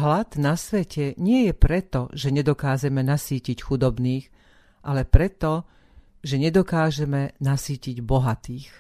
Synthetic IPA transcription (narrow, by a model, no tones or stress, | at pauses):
ɦlad̪nasʋɛcʰɛɲɪɛjɛpɾɛt̪ɔʒɛɲɛd̪ɔkaːʒɛmɛnasiːcicxud̪ɔbniːx | ʔalɛpɾɛt̪ɔ | ʒɛɲɛd̪ɔkaːʒɛmɛnasiːciɟbɔɦat̪iːx